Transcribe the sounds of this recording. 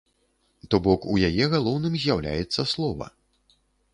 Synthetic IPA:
t̪ɔbɔkujajɛɣalˠɔwnɨmzʲjawlʲa̰jɛt̪sːɐslˠɔvɐ̰

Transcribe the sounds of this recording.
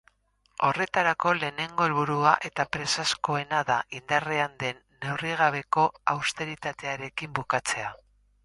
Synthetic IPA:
o̞re̞t̪aɾako̞le̞ːne̞ŋɡo̞elβuɾuaʔe̞t̪apɾe̞sasko̞e̞naðaʔind̪areand̪e̞nːe̞wriɣ̞aβ̞e̞ko̞awst̪e̞ɾit̪at̪e̞aɾe̞kimbukat͡se̞a

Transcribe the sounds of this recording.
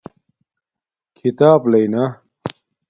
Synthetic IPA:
kʰit̪aːblɐjnɐ

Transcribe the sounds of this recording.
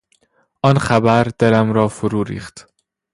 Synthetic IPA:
ʔɒːnχæbæɾd̪̥eɾæmɾɒːfoɾuːɾḭːχt̪

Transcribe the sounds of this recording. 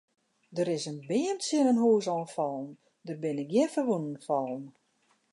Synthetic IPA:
dəɾɪsənbɪːəmsɪnənɦuːsɔlnfɔlˠm | dərbɪnɪk̚ɡjɪfərʋunən̩fɔlˠm

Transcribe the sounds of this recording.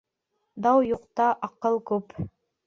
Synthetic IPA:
d̪ɑwjuqt̪ɑʔɑqɤlˠkʉp

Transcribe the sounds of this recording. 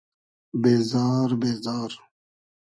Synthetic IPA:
beːzaːɾbeːzɑːɾ

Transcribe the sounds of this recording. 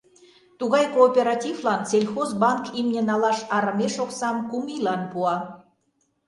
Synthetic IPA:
t̪uɣɑjkoːpʲeɾɑt̪ʲivlɑnt͡selʲxozbɑŋkimnʲenɑlɑʃɑɾə̆meʃoksɑmkumilɑnpuɑ

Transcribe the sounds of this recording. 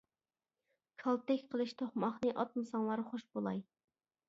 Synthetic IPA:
kʰɑlˠt̪ɛkʲqʰəlˠɨʃt̪ʰoχmɑχnɨʔɑt̪̚mɨsɑŋlˠɑɾχoʃbolˠɑj

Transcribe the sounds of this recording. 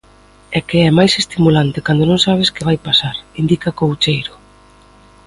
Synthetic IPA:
ɛkeɛmajsest̪imulant̪ɪkand̪onõŋsaβ̞ɪskɪβajpasaɾind̪ikakowt͡ʃejɾʊ

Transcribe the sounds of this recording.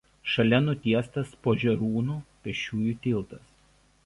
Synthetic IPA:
ʃɐlʲɛnʊt̪ʲiɛst̪ɐspoːʒʲɛɾuːnuːpʲɛʃʲuːjuːt̪ʲɪlˠt̪ɐs

